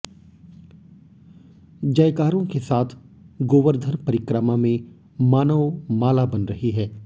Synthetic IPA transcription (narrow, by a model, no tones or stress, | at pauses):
d͡ʒɐjkaːɾõkesaːt̪ʰɡoːʋəɾd̪ʱənpɐɾɪkɾəmamẽ | maːnəʋmaːlabɐnɾɐɦiɦɛː